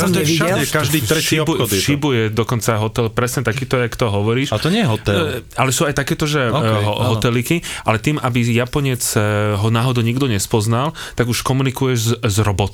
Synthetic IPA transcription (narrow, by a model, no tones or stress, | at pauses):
ikad̪it̪ɾɛʃːiɔbxɔd̪ɛʃibujɛd̪ɔkɔnt͡saɦɔt̪ɛlpɾɛsɲɛt̪akiːt̪ɔɛakt̪ɔɦɔʋɔɾiːʃt̪ɔɲɪɛjɛɦɔt̪ɛalɛsuːajt̪akɛːt̪ɔʒɛɦɦɔt̪ɛlikiʔalɛt̪iːmʔabijapɔɲɪɛt͡sɦɔnaːɦɔd̪ɔɲiɡd̪ɔɲɛspɔznalt̪aɡuʃkɔmunikujɛʒzɾɔbɔt̪